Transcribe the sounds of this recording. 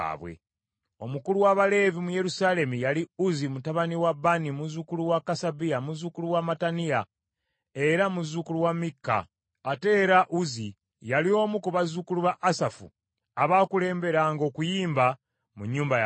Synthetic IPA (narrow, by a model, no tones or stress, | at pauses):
βwḛ | o̞mukuluwaβale̞vimuje̞ɾusaːle̞mujaliuzimutaβaniwabːanimuzukuluwakasabijamuzukuluwamatanija | e̞ɾamuzukuluwamikːa̰ | ate̞ːɾaʔuzi | jalio̞ːmukuβazukuluβaʔːsafṵ | aβaːkule̞ːmbe̞ɾaŋɡo̞kujiːmba | muɲːuːmbaj